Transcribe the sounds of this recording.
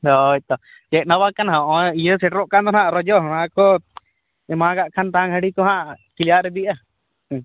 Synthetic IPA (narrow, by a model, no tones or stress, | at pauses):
ɔjt̪ɔ | d͡ʒɛk̪̚nawakanɦãʔɔijəsɛʈɾɔʔkant̪ɔnaʔɾɔd͡ʒɔɦɔnakɔ | ɛmaɡaʔkʰant̪aaŋɦəɽikɔɦãʔkilijaʔɾɛd̪iʔa